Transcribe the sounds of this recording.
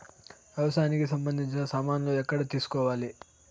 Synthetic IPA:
ɐʋɐsaːnikis̬ɐmbɐnd̪ʱiɲt͡ʃinɐsaːmaːnloɛkːɐɽɐt̪iːsu̥kɔːʋaːli

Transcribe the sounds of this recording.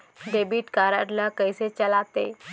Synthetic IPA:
ɖ̪ebiːʈkaɾaɾlakəjset͡ɕəlat̪e

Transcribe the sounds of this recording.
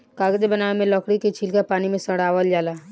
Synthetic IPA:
kaːɡəd͡ʒebənaːemẽlɔːkɽiket͡ʃʰiːlkapaːnimẽsəɽaːʋəld͡ʒaːla

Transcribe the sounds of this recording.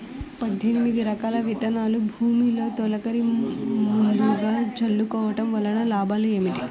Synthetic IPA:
pɐd̪ʱːinimid̪iɾɐkaːlɐʋit̪ɐnaːlubʱuːmiːlo̞ːt̪ɔlɐkɐɾimund̪uɡaːt͡ʃɐɭːukɔːʋɐʈɐmʋɐlːɐnɐlaːbʱaːlueːmiʈi

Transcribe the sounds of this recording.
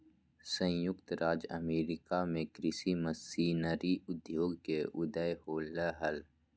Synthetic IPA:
sə̃jʊkt̪ɾʔaːd͡ʒə̰meːɾɪkamẽkɾɪsiməsiːnəɾiʊd̪joːɡkeʔʊd̪əjhoːləɦəl

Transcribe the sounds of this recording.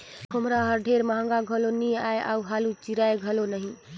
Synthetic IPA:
kʰomɾaɦəɾɖʱeɾməɦə̃ŋɡaɡʱəloniaja̰uɦalut͡ʃiɾajɡʱəlonəɦĩ

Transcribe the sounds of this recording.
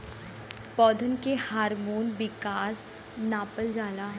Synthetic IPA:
pɔːd̪ʱənkehaːɾmoːnʋɪkaːs | naːpəld͡ʒaːla

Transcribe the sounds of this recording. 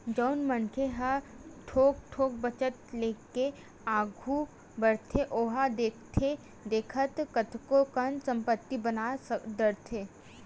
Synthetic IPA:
d͡ʒɔːnmənkʰeɦəʈʰoːɡ̚ʈʰoːk̚bət͡ʃət̪leːke | aːɡʱu | bəɽt̪ʰeʔoːɦad̪eːkʰt̪ʰe | d̪eːkʰət̪kət̪ʰkokənsə̃mpət̪ːibənad̪əɾt̪ʰeː

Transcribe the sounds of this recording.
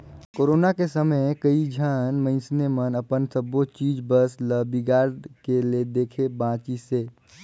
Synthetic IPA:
koːɾoːnakesəməjkəid͡ʒʱaːnmə̃ɪ̃snemənəpənsəbott͡ʃiːd͡ʒbəsləbiɡaːɾɖkeled̪eːkʰebãːt͡ʃiseː

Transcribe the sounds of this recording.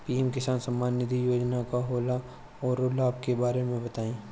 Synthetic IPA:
piːɛmkɪsaːnsəmːaːnːɪd̪ʱijoːd͡ʒnakaɦoːla | ɔːɾoːlaːp̚kebaːɾemẽbɐt̪aːĩː

